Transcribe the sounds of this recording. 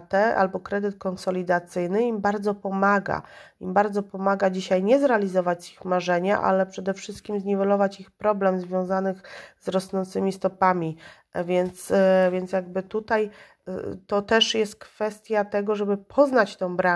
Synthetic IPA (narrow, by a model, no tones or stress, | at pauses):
t̪ɛa̰lbɔkɾɛd̪ɘt̪̚kɔnsɔlʲid̪at̪sɘjnɘimbaɾd̪zɔpɔmaɡa̰imbaɾd̪zɔpɔmaɡad͡ʑiɕajɲɛzɾɛalʲizɔvat͡ɕzixmaʐɛɲa̰ʔa̰lɛpʂɛd̪ɛfʂɘst̪̚kʲimzɲivɔlɔvat͡ɕixpɾɔblɛmzvʲjɔ̃w̃zanɘxzɾɔsnɔnt̪sɘmʲist̪ɔpamʲi | vʲjɛnt̪svʲjɛnt̪sjaɡ̚bɘt̪ut̪aj | t̪ɔt̪ɛʂjɛst̪̚kfɛst̪ʲjat̪ɛɡɔʐɛbɘpʰɔznat͡ɕt̪ɛ̃w̃bɾa